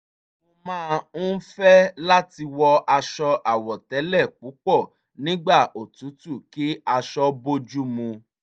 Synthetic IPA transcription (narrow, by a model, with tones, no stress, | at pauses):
o˧mãː˦˧ũ˦fɛ˦la˦ti˧wɔ˧a˧ʃɔ˧ʔa˨wɔ˨tɛ˨˦lɛ˦˨k͡pu˨˦k͡pɔ˦˨ | nĩ˦ɡ͡ba˦˨o˨tu˨˦tu˦˨ki˨˦a˧ʃɔ˦bo˦d͡ʒu˦mũ˧